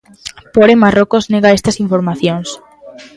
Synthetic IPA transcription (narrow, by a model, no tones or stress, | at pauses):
poɾemarokozneɣaest̪ɐsiɱfoɾmaθjoŋs